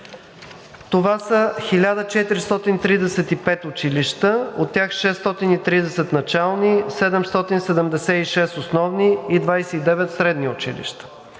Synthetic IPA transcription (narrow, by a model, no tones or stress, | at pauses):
t̪ovasəxilʲad̪ət͡ʃɛt̪iɾist̪ɔt̪int̪ɾid̪ɛsɛt̪ipɛt̪ʊt͡ʃiliʃt̪əot̪ːʲjaxʃɛst̪ɔt̪init̪ɾid̪ɛsɛt̪nɐt͡ʃalˠnisɛd̪ɛmst̪ɔt̪insɛd̪ɛmd̪ɛsɛiʃɛst̪osnɔvniːd̪vajsɛid̪ɛvɛt̪sɾɛd̪niʊt͡ʃḭlḭʃt̪ə̥